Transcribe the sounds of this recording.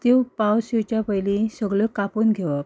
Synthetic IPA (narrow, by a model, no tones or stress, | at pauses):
t̪ewpawsit͡ɕjapəjlisəɡɭəkapuːnɡʱeʋə